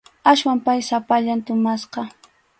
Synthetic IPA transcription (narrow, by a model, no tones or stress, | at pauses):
aswampajsapaʎant̪ʊmasqɑ